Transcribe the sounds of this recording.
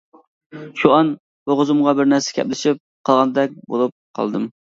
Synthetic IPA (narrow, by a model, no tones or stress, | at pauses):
ʃuɑn | bʊʁʊzumʁɑbɪɾnæɾsɛ̥kʲʰɛ̰plɪʃip̚qʰɑlˠʁɑnɨd̪ɛk̚ʲbo̰lˠup̚qʰɑ̰lˠd̪ɨm